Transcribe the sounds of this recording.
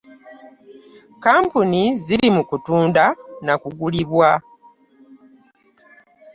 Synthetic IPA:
kaːmpuniziɾimukutuːndanakuɡuliβwa

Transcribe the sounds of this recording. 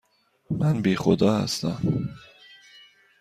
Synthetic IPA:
mænbiːxod̪ɒːhæ̰st̪æm

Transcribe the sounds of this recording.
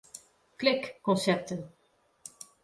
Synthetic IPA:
klɪkːɔnsɛp̚tən

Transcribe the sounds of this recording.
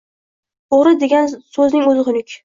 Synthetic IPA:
oʁɾɪd̪eɡʲansɵznɪŋɵzɪqʰʊnɪkʲ

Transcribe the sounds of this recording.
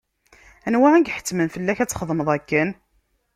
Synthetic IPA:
ænwaʕænɡħə̥t͡sːmənfəlːæçæt͡sːχəðˤməðˤækːən

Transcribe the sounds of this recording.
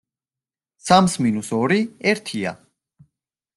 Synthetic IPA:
samsminusɔɾiɛɾt̪ʰia̰

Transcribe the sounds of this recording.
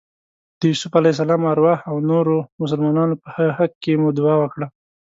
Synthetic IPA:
d̪̥əjusʊfalais̬alɑmaɾwɑhawnoɾomʊs̬əlmɑnɑnopəhahakːemud̪ʊwɑwəkɽa

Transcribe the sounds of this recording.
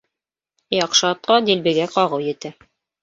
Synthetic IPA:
jɑqʃɑɑt̪̚qɑd̪ilbɘ̆ɡæqɑʁɤwjɘ̆t̪æ

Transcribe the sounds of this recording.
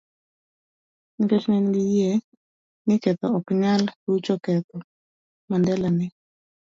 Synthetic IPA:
inpɛsnɛnɡɪjɛ | nɪkɛt̪ɔɔkɲalut͡ʃɔkɛt̪ɔ | mandɛlanɪ

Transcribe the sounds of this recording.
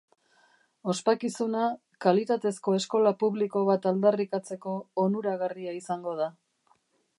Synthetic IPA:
o̞spakisuna | kalit̪at̪e̞sko̞e̞sko̞lapuβliko̞βat̪ald̪arikat͡se̞ko̞ːnuɾaɣariaisaŋɡo̞ð̞a

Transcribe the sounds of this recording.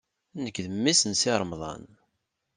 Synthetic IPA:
nəkːðəmːisənsɪɾˤmðˤɑ̰n

